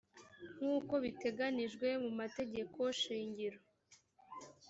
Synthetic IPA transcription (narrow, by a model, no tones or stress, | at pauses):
ŋ̥uːko̞βite̞ɡaniʒɡwe̞mumate̞ɟe̞koʃiːɲɟiɾo